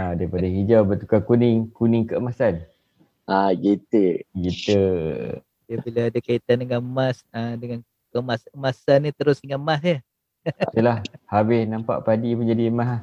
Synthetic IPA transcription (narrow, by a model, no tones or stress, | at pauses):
adaipadaɦid͡ʒawbət̪u̥kakunɪŋkunɪŋkəəmasan | ʔaɡit̪əɡit̪ə̰ | diabilaːdakait̪andəŋamasadəŋan | kəmasəmasanːit̪əɾʊsiŋaʔmasja | t̪ulahhabɪhnãmpa̰ʔpadiməɲd͡ʒadimaɦa